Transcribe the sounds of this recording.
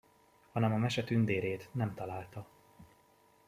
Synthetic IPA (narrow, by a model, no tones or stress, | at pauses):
hɒnɛmɒmɛʃɛt̪ynd̪eːɾeːt̪nɛmt̪ɒlaːlt̪ɒ